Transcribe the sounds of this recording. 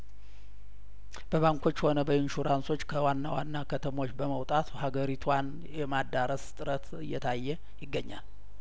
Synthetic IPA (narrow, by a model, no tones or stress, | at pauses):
b̥əβaŋkʰo̞t͡ʃːho̞nəbəɪnʃuɾanso̞t͡ʃːkʰəwanːawanːakʰət̪ʰəmo̞t͡ʃːbəməwt̪ʼat̪haɡəɾit̪ʰwan | jɛmad̪aɾəst̪ʼɨɾət̪ɨjːɛt̪ʰajːɛ | jɪɡːəɲːa̰l